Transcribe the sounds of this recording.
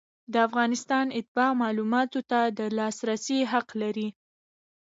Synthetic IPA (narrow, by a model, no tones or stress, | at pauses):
d̪əafɣɑnɪst̪ɑnɪt̪̚ɪbɑmɑlumɑt̪ot̪ad̪əlɑsɾasiɦaqlaɾi